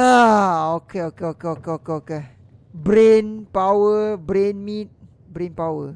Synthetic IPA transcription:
aokeokeokeokeokeoke | bɾenpawəbɾenmit̪̚ | bɾenpawə

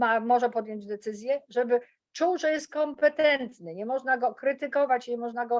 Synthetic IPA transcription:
mamɔʐɛpɔd̪jɔɲd͡ʑd̪ɛt̪sɘzʲjɛʐɛbɘ | t͡ʂuwʐɛjɛst̪̚kɔmpɛt̪ɛnt̪nɘɲɛmɔʐnaɡɔkɾɘt̪ɘkɔvat͡ɕɲɛmɔʐnaɡɔ

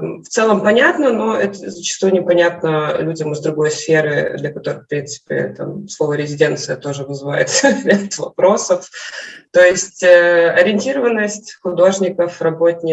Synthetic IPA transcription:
ft̪sɛlˠəmpɐnʲat̪nəno̞ɛt̪əzət͡ɕɪ̥st̪ujnʲɪpɐnʲat̪nəlʲudʲəmɨzd̪ɾʊɡo̞jsfʲeɾɨ̰d̪lʲɐkɐt̪o̞ɾɨkfpɾʲint̪sɨ̥pʲɪ̰t̪a̰mslˠo̞vəɾʲɪzʲɪdʲe̞nt̪sɨjət̪o̞ʐɨvɨzɨva̰jɪ̰t̪ɾʲat̪vɐpɾo̞səft̪o̞jɪsʲtʲəɐɾʲɪnʲtʲiɾəvənːəsʲtʲxʊd̪o̞ʐnʲɪkəfrɐbo̞tʲnʲɪ

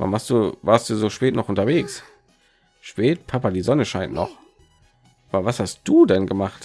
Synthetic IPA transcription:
va̰nvaːstd̥uːvaːɐst̚d̥uːzoːʃpɛːtnɔχʔʊntɐveːks | ʃpɛːtpʰapadiːzɔnəʃaɪntnɔχ | ʔaːbɐvashast̚d̥uːdɛnɡəmaχt

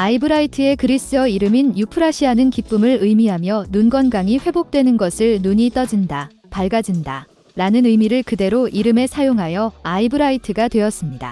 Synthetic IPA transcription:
aibɯɾaitʰɯe̞kɯɾis͈ɯʌiɾɯminjupʰɯɾaɕʰiɦanɯnkip͈ɯmɯɭɯjmiɦamjʌnunɡwʌnɡaŋiɸwe̞bok̚t͈we̞nɯnɡʌsʰɯɭnuɲit͈ʌd͡ʑinda | paɭɡad͡ʑinda | ɾanɯnɯjmiɾɯɭkɯde̞ɾoʔiɾɯme̞sʰajoŋɦajʌaibɯɾaitʰɯɡadwe̞jʌs͈ɯmɲida̰

